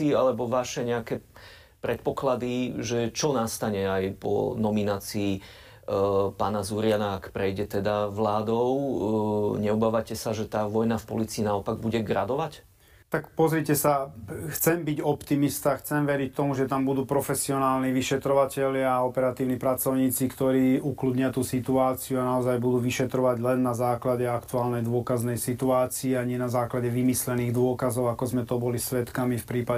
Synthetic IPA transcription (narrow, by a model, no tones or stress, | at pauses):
alɛbɔʋaʃɛɲɛakɛ | pɾɛt̪̚pɔklad̪iʒɛt͡ʃɔnast̪aɲɛajpɔ̰nɔminaːt͡siː | paːnazuɾɪanaːkpɾɛjɟɛt̪ɛd̪aʋlaːd̪ɔʊ | ɲɛɔbaːʋacɛsaʒɛt̪aːʋɔjnafpɔliːt͡siːnaɔpaɡbuɟɛɡɾad̪ɔʋac | t̪akpɔzɾicɛsaxt͡sɛmbiɟɔpt̪imist̪axt͡sɛmʋɛɾict̪ɔmuʒɛt̪ambud̪uːpɾɔfɛsiɔnaːlniʋiʃɛt̪ɾɔʋacɛʎɪaːɔpɛɾat̪iːʊnipɾat͡sɔʊɲiːt͡sikt̪ɔɾiːukluːd̪ɲɪat̪uːsit̪uaːt͡siuanaɔzajbud̪uːʋiʃɛt̪ɾɔʋaɟlɛnːazaːklaɟɛakt̪uaːlnɛjd̪ʊɔkaznɛjsit̪uaːt͡siɛaɲɪɛnazaːklaɟɛʋimislɛniːɣd̪ʊɔkazɔʊakɔzmɛt̪ɔbɔlisʋɛt̪kamifpɾiːpa